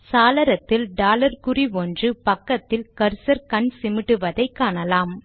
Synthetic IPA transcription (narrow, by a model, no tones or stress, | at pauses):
saːlɐɾɐt̪ːɪlɖaːlɐɾkɯriʋɔndrɯpɐkːɐt̪ːɪlkɐɾsɐɾkɐɳsɪmɪʈːɯʋɐðɐɪkːaːnɐlaːm